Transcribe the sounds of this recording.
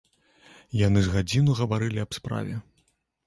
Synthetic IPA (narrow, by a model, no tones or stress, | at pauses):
jan̪ɨzɣad͡zʲinuɣɐvaɾɨlʲiɐpspɾa̰vʲɛ